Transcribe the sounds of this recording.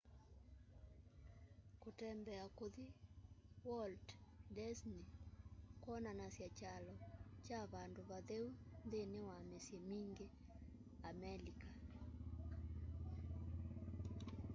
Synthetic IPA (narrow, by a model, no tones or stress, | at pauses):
kotɛmbɛakoði | wɔlddɛsnikwɔnanasjat͡ʃalɔt͡ʃaβandoβaðeunðenewamesjɛmiŋɡe | amɛlika